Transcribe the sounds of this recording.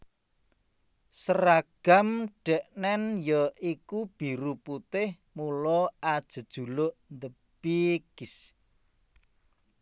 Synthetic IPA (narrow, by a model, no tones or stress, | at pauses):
səɾaɡ̥a̤mɖ̥ɛʔnɛnjɔʔikub̥i̤ɾuput̪ɪh | mulɔad̥ʒ̥ə̤d̥ʒ̥ṳlʊʔnd̪ə | b̥iɡ̥is